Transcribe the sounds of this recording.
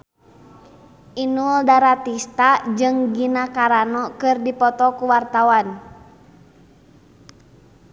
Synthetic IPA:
ʔinuldaɾat̪ist̪ad͡ʒɨŋɡinakaɾanɔkɨrdipɔt̪ɔkuwart̪awan

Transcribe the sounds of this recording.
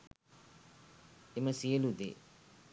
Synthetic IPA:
eməsiəlud̪ḛ

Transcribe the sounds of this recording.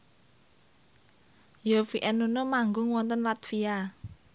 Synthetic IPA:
jofiʔɛnunomaŋɡʊŋwɔnt̪ənlat̪fia

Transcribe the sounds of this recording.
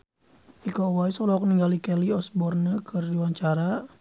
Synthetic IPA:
ikɔwaisɔlɔk̚niŋɡalikɛliɔsbɔrnəkʰərdiwaɲt͡ʃaɾa

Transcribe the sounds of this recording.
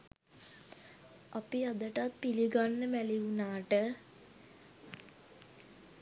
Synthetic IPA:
apiad̪əʈat̪̚piliɡanːəmæliunaːʈə

